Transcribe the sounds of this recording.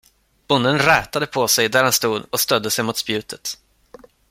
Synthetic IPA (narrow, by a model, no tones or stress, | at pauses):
b̥ʊnd̪ənɾɛːt̪ad̪əpʰɔsɛjd̪æɾhanst̪uːd̪ɔst̪œd̪ːəsɛjmʊt̪spjʉ̟ːt̪ʰə̥t̪